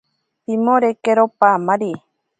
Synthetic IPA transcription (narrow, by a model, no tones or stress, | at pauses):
pimõɾekeɾopamaɾi